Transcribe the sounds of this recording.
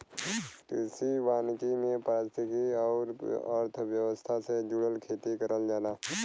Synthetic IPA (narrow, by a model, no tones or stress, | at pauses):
ʈɪːsiʋaːnkimẽpɾaːst̪ʰɪkiɔːɾə̰ɾt̪ʰəʋjəʋəst̪ʰased͡ʒʊɽəlkʰeːt̪ikəɾəld͡ʒaːnaː